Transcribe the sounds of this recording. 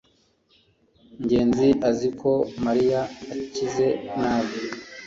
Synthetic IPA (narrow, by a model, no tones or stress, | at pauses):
ɲɟe̞ːnziʔazikʰo̞maɾijaːcize̞naːβi